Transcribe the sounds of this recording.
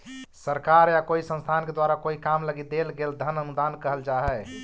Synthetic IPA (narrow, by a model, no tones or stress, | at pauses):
səɾkaɾjakoisə̃nst̪ʰanked̪waɾakoikamləɡid̪elɡeld̪ʱənənud̪ankəɦəld͡ʒaɦɛ